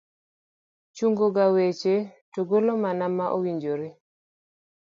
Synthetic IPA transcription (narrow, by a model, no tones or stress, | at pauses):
t͡ʃuŋɡoɡawet͡ʃetoɡolomanamaʔowiɲd͡ʒoɾe